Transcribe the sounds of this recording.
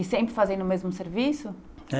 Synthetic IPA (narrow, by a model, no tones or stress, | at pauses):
isẽmpɾɪfazẽj̃nʊmezmʊseɾvisʊ